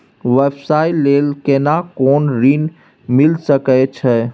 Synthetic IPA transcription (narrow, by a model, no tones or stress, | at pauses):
ʋebsailelkenakoːnɾin | milsəkɛt͡ʃʰɛ